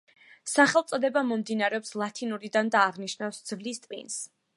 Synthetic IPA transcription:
saχɛlˠt̪sʼɔd̪ɛbamɔmd̪inaɾɛɔpslˠat̪ʰinuɾid̪and̪aːʁniʃnafsd̪z̥vlist̪ʼvḭns

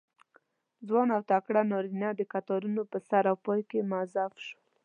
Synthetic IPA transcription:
zwɑnawt̪akɽanɑɾinad̪əkat̪ɑɾunopəsaɾawpɑjkemazafʃəl

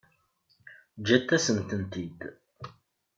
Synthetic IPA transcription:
d͡ʒæt̪ːæsənt̪ənt̪id̪

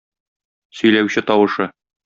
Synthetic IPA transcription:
sɵ̆jlæwɕɘt̪ɒwɤ̆ʃɤ

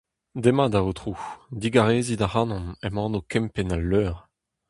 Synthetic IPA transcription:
d̪emad̪aot̪ʁud̪iɡaʁeːzid̪aʁanɔ̃mɛmɑ̃ːnokɛmpɛnalːøːʁ

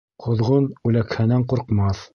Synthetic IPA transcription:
qʰŏðʁonʉlækhænæɴqŭɾqmɑθ

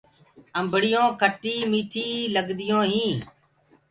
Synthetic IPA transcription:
əmbʱɽɪjõːkʰəʈːiːmiːʈʰiːləɡd̪ɪjõːɦĩː

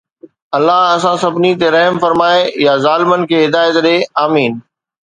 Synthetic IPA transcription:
ɐlːaɦɐsãsɐbnit̪eɾɐɦmfɐɾmaːejazaːlɪmənɪ̆kʰeːɦɪd̪aːjət̪ɗeaːmiːn

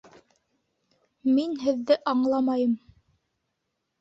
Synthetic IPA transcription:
minɦɘ̆ðːɘʔɑɴlˠɑmɑjɤm

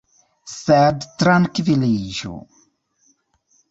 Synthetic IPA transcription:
sɛdt̪ɾankviliʒṵ

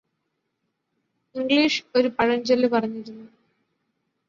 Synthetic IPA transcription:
iŋɡliːʂo̞ɾupɐɻɐɲd͡ʑɐlːɨpɐrɐɲːiɾunːu

